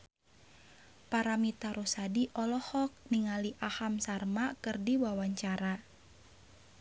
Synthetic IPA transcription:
paɾamit̪aɾosadiʔɔlɔhɔk̚niŋaliʔahamsarmakɨrdiwawaɲt͡ʃaɾa

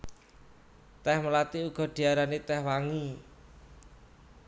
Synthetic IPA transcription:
t̪ɛhməlat̪iuɡ̥ɔ̤ɖ̪̥i̤aɾanet̪ɛhwaŋi

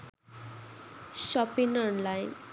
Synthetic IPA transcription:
ʃɔpinɔnlajn

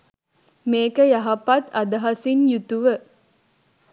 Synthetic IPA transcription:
meːkəjɐɦɐpat̪ɐd̪ɐɦɐsinjut̪uʋə

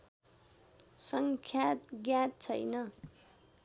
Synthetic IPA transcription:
sʌŋkʰjat̪ɡjat̪̚t͡sʰʌjnʌ

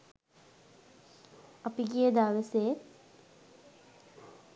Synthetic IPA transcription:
apiɡijəd̪aːʋəset̪

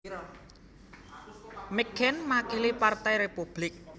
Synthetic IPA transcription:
miɡ̥ɛnmakilipart̪ɛjɾepub̥lɪk̚

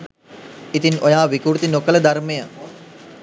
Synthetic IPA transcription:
it̪inojaːʋikuɾt̪inokələd̪armejə

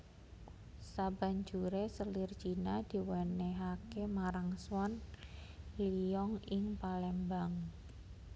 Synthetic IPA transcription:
sab̥a̤ɲd͡ʒuɾesəlirt͡ʃinad̪̥i̤wɛneɦakemaɾaŋswɔn | lijɔŋɪŋpalɛmbaŋ

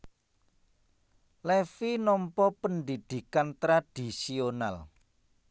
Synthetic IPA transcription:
lɛfinɔmpɔpənd̪id̪̥i̤kant̪ɾad̪̥i̤siona̰l

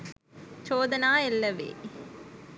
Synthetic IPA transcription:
t͡ʃoːd̪ɐnaːelːɐʋḛː

